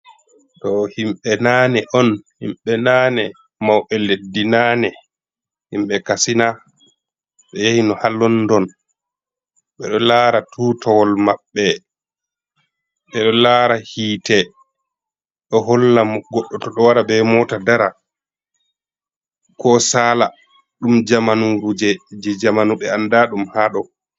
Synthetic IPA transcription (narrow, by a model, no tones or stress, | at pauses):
tɔhimɓɛnaːnɛʔɔnhḭmɓɛnaːnɛ | mawʔɛledːinanɛ | himɓɛkasina | ɓɛjehinɔhalːɔndɔn | ɓɛɗɔlaːɾatʰuːtɔwɔlmaɓːɛ | ɓɛɗɔlaɾahiːtɛ | ɗɔɦɔlːamɡɔɗːɔtɔɗɔwaɾabɛmɔtadaɾa | kɔsala | ɗumd͡ʒamanuɾud͡ʒɛd͡ʒɛd͡ʒamanuɓɛandaɗumhaɗɔ